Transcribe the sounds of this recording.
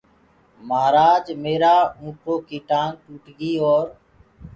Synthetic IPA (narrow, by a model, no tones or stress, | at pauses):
məɦɾaːd͡ʒmeːɾaːũːkʰɾoːkiːʈãːŋ̚ʈuːʈɡiːoːɾ